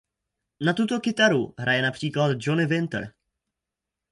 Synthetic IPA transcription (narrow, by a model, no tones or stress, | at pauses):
nat̪ut̪o̞kɪt̪aɾuɦɾʔajɛnapr̥iːklad̪d͡ʒonɪvɪnt̪ɾ